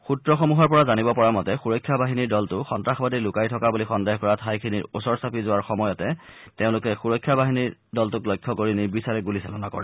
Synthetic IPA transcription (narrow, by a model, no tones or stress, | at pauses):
xutɹɔxɔmuɦɔɹpɔɹazanibɔpɔɹamɔtɛxuɹɔkʰːjabʱaɦiniɹdɔltʊxɔntɹaxɔbadilʊkajtʰɔkabulixɔndeɦkɔɹatʰajkʰinḭɹusɔɹsapʰizʊwaɹxɔmɔjɔtɛ | teʊ̃lʊkɛxuɹɔjkʰːjabaɦiniɹdɔltʊklɔjkʰːɔkoɹinibisaɹɛɡulisa̰lɔnakɔ̰ɹɛ